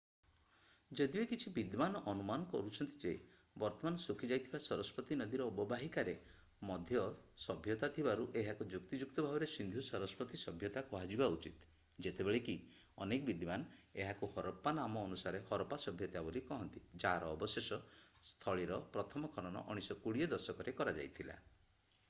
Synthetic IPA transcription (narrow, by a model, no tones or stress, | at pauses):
d͡ʒɔd̪ibekit͡ʃʰibid̪manɔʔɔnumanɔkɔ̰ɾut͡ʃʰɔnt̪id͡ʒe | bɔɾt̪ɔmanɔsukʰid͡ʒajt̪ʰibasɔɾɔspɔt̪inɔd̪iɾɔːbɔbaɦikaɾe | mɔd̪ʱjɔ | sɔbʱjɔt̪at̪ʰibaɾuʔeɦakud͡ʒukt̪id͡ʒukt̪ɔbʱabɔɾesind̪ʱusɔɾɔspɔt̪isɔbʱjɔt̪akɔɦad͡ʒibaut͡ʃit̪ | d͡ʒet̪ebeɭeki | ɔ̰nekɔbid̪iman | eɦakuhɔɾɔpanamɔːnusaɾehɔɾɔpasɔbʱjɔt̪abolikɔɦɔnt̪id͡ʒaːɾɔːbɔsesɔ | st̪ʰɔɭiɾɔpɾɔt̪ʰɔmɔkʰɔñɔnɔ̰ʔɔɽ̃isɔkuɽijɔd̪ɔɾsɔkɔɾekɔɾad͡ʒa̰jt̪ʰila̰